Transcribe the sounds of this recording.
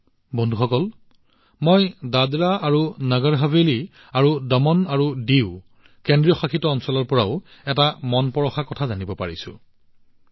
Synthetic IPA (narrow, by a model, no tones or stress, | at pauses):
bɔndʱuxɔkɔl | mɔjdadɹaaɹunəɡɔɹɦabeli | aɹudɔmɔnaɹudiw | kendɹijɔxakʰitɔːnsɔlɔɹpɔɹaʊɛtamɔnpɔɹɔxakɔtʰazanibɔpaɹisʊ̰̃